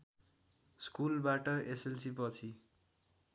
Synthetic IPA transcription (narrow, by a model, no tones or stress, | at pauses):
skulbaʈʌesensipʌt͡sʰi